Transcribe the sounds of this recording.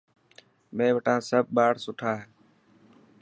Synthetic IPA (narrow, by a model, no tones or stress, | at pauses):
mẽːʋəʈãːsəb̚ɓaːɽsʊʈʰaːɦeː